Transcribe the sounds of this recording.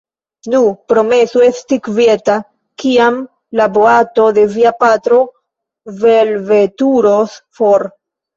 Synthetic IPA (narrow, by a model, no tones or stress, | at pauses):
nupɾo̞me̞suestikveta | kiam | laboato̞d̪e̞viapat̪ɾo̞ | velvetuɾosfoɾ